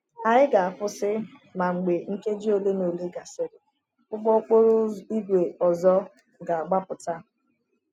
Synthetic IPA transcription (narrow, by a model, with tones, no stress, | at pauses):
a˨ɪ˦ɡa˨a˨fʊ˦sɪ˦ | ma˨ŋ͡m̩˨ɡ͡be˨ŋ̩˦ke˦d͡ʒi˦o˨le˦no˨le˦ɡa˨sɪ˨ɾɪ˨ | ʊ˦ɡ͡bɔ˦k͡po˦ɾʊ˦i˦ɡʷe˨ɔ˨zɔ˦ | ɡa˨a˨ɡ͡ba˦pʊ˨ta˦